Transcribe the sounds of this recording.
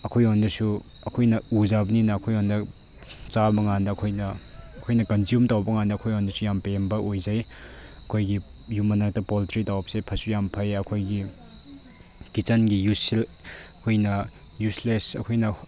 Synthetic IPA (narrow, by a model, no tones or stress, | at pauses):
ɐkʰojondɐsu | ɐkʰojnɐuzabɐninɐːkʰojondɐ | t͡ʃabɐŋandɐːkʰojnɐɐkʰojnɐkɐnziumtawbɐŋandɐkʰojondɐsujampembɐʔojzɐjɐkʰojɡijumɐnak̚tɐpoltɾitawbɐsejpʰɐsujampʰɐjɐkʰojɡi | kit͡ʃɐnɡijusilɐkʰojnɐ | juslesɐ̰kʰojnɐ